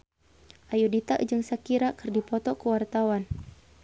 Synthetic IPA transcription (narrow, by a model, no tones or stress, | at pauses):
ʔajudit̪aʔd͡ʒəŋsakiɾakərdipɔt̪ɔkəwart̪awan